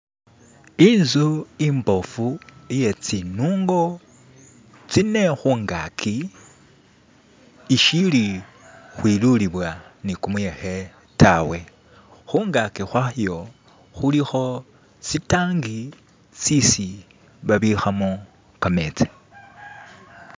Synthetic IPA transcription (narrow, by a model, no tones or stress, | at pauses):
iːnzuimbo̞fuije̞t͡sinuːŋɡo̞ | t͡sine̞xuːŋɡakʰi | ʃili | xwiluliβwanikumuje̞xe̞ | tʰawe̞ | xuːŋɡakixwaxjo̞ | xulixo̞ | sitaːŋɡi | sisi | βaβixamo | kame̞t͡se̥